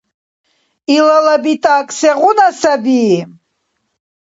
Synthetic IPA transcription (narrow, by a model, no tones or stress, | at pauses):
ilalabit̪ʼaːkʼsɛʁunasabiː